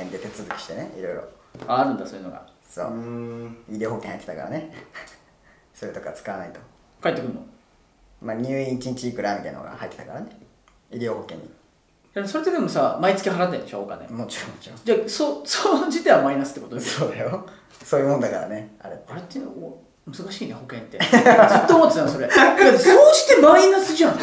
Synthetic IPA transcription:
ẽnd̪et̪e̞t͡sɨzɨkʲi̥ɕi̥t̪e̞neḭɾo̞iɾo̞̰aːɾɯ̟̃nd̪asoːjɯnoɡa̰ | so̰ː | iɾʲioːho̞kẽhait̪et̪aka̰ɾa̰ne | soɾet̪o̞kat͡sɨ̥kaβanait̪o̞ | kait̪ːekɯ̟̃nːo | maɲ̟ʲɨːĩt͡ɕĩɲ̟t͡ɕiiːkɯ̟ɾamʲik̪eno̰ɡa̰ha̰it̪ːet̪akaɾane | iɾʲioːɦokẽ̞ɲ̟ːḭ | daso̞ɾet̪ed̪e̞mo̞samait͡sɨ̥kʲiɦaɾat̪̬ːẽnd̪eɕo̰ːka̰nḛmot͡ɕiɾõmot͡ɕiɾõd͡ʑasosod͡ʑit̪e̞amainasɨ̥t̪ːekot̪od̪esoːd̪ajo | soːjɯːmonod̪akaɾa̰nea̰ɾet̪ːaɾet̪ːeo | mɯzɨkaɕiːneho̞kẽ̞nt̪ːezɨt̪ːoːmot̪ːet̪anso̞ɾeɡasoːd͡ʑit̪e̞mainasɨʑã

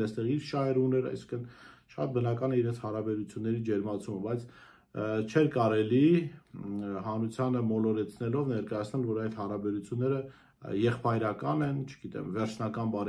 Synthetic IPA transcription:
ɛst̪ɛʁiɾʃɑɦɛɾunɛɾɑ̰jsi̥ŋkʰənʃɑ̰t̪̚bənɑkɑnɛiɾɛnt͡sʰhɑɾɑbɛɾut͡sʰjunːɛɾid͡ʒɛɾmɑt͡sʰuməbɑjt͡sʰ | t͡ʃʰɛɾkɑɾɛli | ɦɑnɾut͡sʰjɑnəmɔlɔɾɛt͡sʰnɛlɔvnɛɾkɑjɑt͡sʰnɛlvɔɾɑjt̪hɑɾɑbɛɾut͡sʰjunːɛɾə | jɛχpɑjɾɑkɑnɛnt͡ʃʰə̥ɡ̥it̪ɛ̰mvɛɾt͡ʃʰnɑkɑnbɑɾ

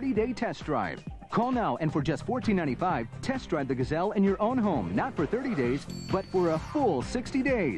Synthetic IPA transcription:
ɾideɪtʰɛsdɹa̰ɪv̥ | kʰɔlˠnaʊʔɨ̃nfə˞d͡ʒʌstfɔɹtʰĩnːãɪ̃tifaɪv̥tʰɛsdɹ̥aɪv̚ðɨɡɨzɛlˠɨ̃njə˞ʔõʊ̃nɦõʊ̃mnətfə˞θɜ˞ɾideɪzbʌtfə˞əfʊlˠsɪkstideɪ

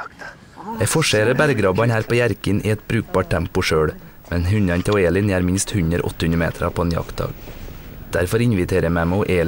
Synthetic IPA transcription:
jæfɔʃeːɾəbæɾɡɾɑːbɑnhæːɾpʰoːjæɾkənʔḭːɛt̪̚bɾʉːk̚bɑːʈ̚ʈʰæmpʊʃøːɽ | mɛnɦʉɲɑnt̪ʰɛoːeːlɪniːæːɾmɪnst̪hʉɲəɾ̰ʔɔ̰t̪əhʉnəmḛːt̪ʰɾɑ̰pʰoːeːnjɑ̰kt̪̚d̪ɑ̰ːɡd̪̥æɾfɔɾɪɲʋɪt̪ʰeːɾəmæmæoʔeːl

